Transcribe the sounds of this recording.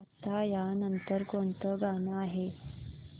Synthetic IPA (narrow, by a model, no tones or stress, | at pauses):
ɐt̪ːajaːnɐnt̪əɾkont̪əɡaːnaːɦe